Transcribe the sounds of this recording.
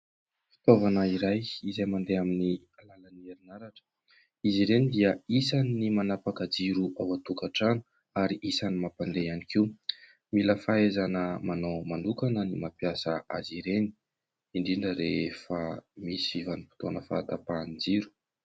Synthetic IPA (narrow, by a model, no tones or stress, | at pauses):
fi̥t̪ovanəiɾajizajmand̪eamini | alalənieɾinaɾaʈ͡ʂə̥ | iziɾenid̪iəisaniːimanapakad͡ziɾuʔawat̪ukaʈ͡ʂanu̥ | aɾiʔisanimapand̪eanikiw | miləfaezanəmanomanukanənimapijasəa̰ziɾeni̥ | iɳɖ͡ʐiɳɖ͡ʐəɾefamisiivanipi̥t̪onəfa̰t̪apand͡ziɾu̥